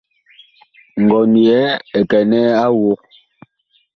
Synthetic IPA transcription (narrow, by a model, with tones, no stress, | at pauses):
ŋ̩˨ɡɔ˨ni˨ɛ˨˦ɛ˨kɛ˨nɛ˦a˦wu˦k̚